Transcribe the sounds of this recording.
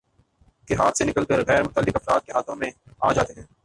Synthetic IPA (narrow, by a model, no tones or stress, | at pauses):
keɦa̰ːt̪ʰsenɪkəlkəɾɣɛːɾmʊt̪əlːɪkɐfɾa̰ːt̪̚keɦaːt̪ʰõmẽa̰ːd͡ʒaːt̪eɦɛ̃ː